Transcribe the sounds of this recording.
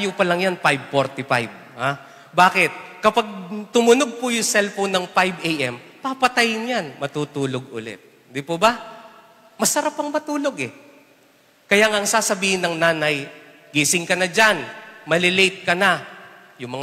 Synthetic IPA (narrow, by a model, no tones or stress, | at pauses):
ajopɐlɐŋjanpajb̚foɾt̪ɪfajb̚ | ha | baːkɪt̪̚kɐpaɡ̚t̪ʊmʊnoɡ̚pʊjʊsɛlfonɐŋpajbʔejʔɛmpapɐt̪ajɪnjanmɐt̪uːt̪uːloɡ̚ʔʊ̰lɛ̰t̪̚ | d̪ɪpobɐ | mɐsɐɾapːɐŋmɐt̪uːloɡɛ | kɐjaŋɐŋsaːsɐbiːhɪnɐŋnaːnɐj | ɡiːsɪŋkɐnɐd͡ʒanmɐlɪlejt̪̚kɐnɐ | jʊŋmɐŋ